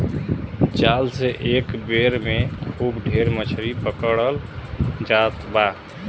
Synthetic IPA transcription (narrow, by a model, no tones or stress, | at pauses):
t͡ʃalseʔekbeɾmekʰubɖʱeɾmət͡ʃʰɾipəkəɽəld͡ʒat̪ba